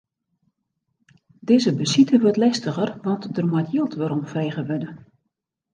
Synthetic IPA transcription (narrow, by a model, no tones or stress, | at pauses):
dɪːzəbəsitəʋøtlɛstəɣərʋɑntdərmajtjilˠtʋəɾɔmfeːɣəʋɪdə